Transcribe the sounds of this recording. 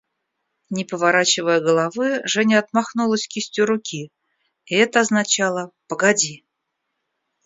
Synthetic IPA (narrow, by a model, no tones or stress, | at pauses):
nʲɪpəvaɾat͡ɕɪvəjəɡəlˠɐvɨʐɛnʲəɐt̪maxnulˠəsʲkʲisʲtʲuɾʊkʲʰi | ɪɛt̪əɐznɐt͡ɕalˠəpəɡɐdʲi